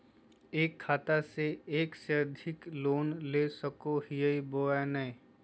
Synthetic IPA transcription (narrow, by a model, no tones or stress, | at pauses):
eːkʰːaːt̪aseeːksed̪ʱɪkloːnleːsəkoɦijəiboːɛnəĩ